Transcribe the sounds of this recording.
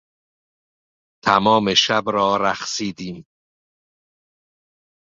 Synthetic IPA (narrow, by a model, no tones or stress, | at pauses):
t̪ʰæmɒːme̞ʃæbɾɒːɾæxsiːd̪iːm